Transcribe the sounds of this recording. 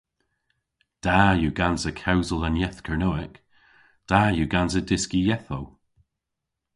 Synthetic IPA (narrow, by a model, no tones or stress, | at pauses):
d̥aːjuːɡanzəkʰawzəlˠənjɛθkʰəɹnoɪk | d̥aːjuːɡanzədɪskijɛθow